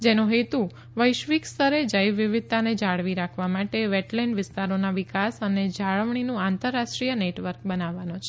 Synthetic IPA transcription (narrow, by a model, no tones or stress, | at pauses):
d͡ʒenoɦet̪u | ʋəjʃʋikst̪əɾed͡ʒəjʋːiʋid̪̚t̪aned͡ʒaɭʋiɾakʰʋamaʈeʋɛʈlɛɳɖʋɪst̪aɾonaʋikasəned͡ʒaɭəʋɳinũant̪əɾːaʃʈɾijəneʈʋəɾk̚bənaʋːanot͡ʃʰe̥